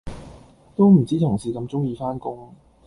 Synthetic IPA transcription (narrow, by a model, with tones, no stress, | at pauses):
t̪o˥wm̩˨˩t͡siː˥t̪ʰʊ˨˩ŋsiː˨˧kɐ˧mt͡sʊ˥ŋjiː˨˧faː˥nkʊ˥ŋ